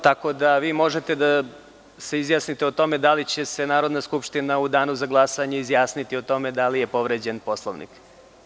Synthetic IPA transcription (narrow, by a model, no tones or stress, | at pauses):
t̪ako̞d̪aʋiːmo̞ʒet̪e̞d̪a | se̞izjaːsnit̪eot̪o̞me̞d̪alit͡ɕe̞se̞naːɾo̞d̪naskupʃt̪inaud̪aːnuzaɡlˠasaɲeizjaːsnit̪iot̪o̞me̞d̪alije̞po̞ʋɾed͡ʑenpo̞slˠoʋnḭk